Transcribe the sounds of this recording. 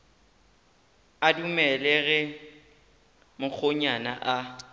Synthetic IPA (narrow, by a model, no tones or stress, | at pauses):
adumɛlɛɣɛ | mʊk͡xʰoɲana̰ʔa